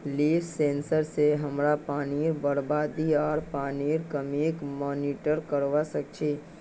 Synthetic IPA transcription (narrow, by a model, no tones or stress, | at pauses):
liːfsẽːnsəɾseɦɐmɾapaːniɾbəɽbaːd̪iɔːɾpaːniːɾkəmiːkmɔːniːʈəɾkəɾʋasək̚t͡ʃʰiː